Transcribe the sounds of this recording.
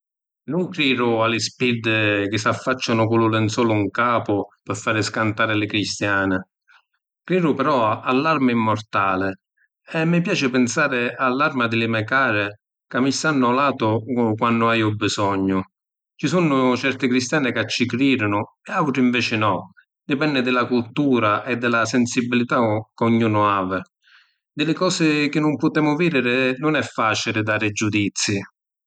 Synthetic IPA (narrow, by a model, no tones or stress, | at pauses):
nʊŋkɾiːɾʊalɪspid̪ɪk̟ɪsafːat͡ʃːanʊkʊlʊlɪnsɔːlʊuŋkaːpʊpɪfːaːɾɪskant̪aːɾɪlɪkɾist̪jaːnɪ | kɾiːɾʊpɛɾɔalːarmaimːɔrt̪aːlɪ | ɛmːɪpjaːt͡ʃɪpɪnsaːɾɪalːarmad̪ɪlɪmɛkaːɾɪ | kamːisanːalaːt̪ʊkwanːʊajʊbːisɔɲːʊ | t͡ʃisunːʊt͡ʃɛrt̪ɪkɾist̪jaːnɪkat͡ʃːikɾiːɾʊnʊ | ɛawʈɾʊiɱvɛːt͡ʃɪnɔ | d̪ɪpɛnːɪd̪ɪlakult̪uːɾaʔɛd̪ːɪlasɛnsibilit̪akuɲːuːnʊaːvɪ | d̪ɪlɪkɔːsɪk̟ɪnːʊmpʊt̪ɛːmʊviːd̪ɪɾɪnʊnɛfːaːt͡ʃilɪd̪aːɾɪd͡ʒːud̪it̪sːi